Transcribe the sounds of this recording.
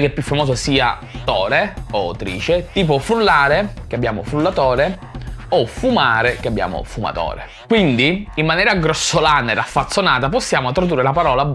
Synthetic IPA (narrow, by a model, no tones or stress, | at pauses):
kelpjufːamɔːzosiːa̰ | t̪ɔːɾeot̪ɾḭːt͡ʃet̪iːp̬ofɾulːaːɾek̟eabːjaːmo̰fɾulːat̪ɔːɾe | ɔfumaːɾekeabːja̰ːmo̰fuma̰t̪ɔ̰ːɾḛ | kwind̪iimːanjɛːɾaɡɾɔsːolaːned̪afːat̪sːonaːt̪aposːjaːmot̪ɾod̪urːelapaɾɔːla